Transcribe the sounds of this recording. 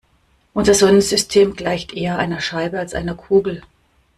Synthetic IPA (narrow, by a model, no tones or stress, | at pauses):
ʔʊnzɐzɔnənz̥ʏstʰeːmɡlaɪçtʔeːɐʔaɪnɐʃaɪbəalsʔa̰ɪnɐkʰuːɡl̩